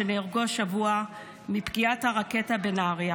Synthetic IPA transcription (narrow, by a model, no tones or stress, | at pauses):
eneːʁɡoʃavua | mipɡiathaʁaketabenaʁja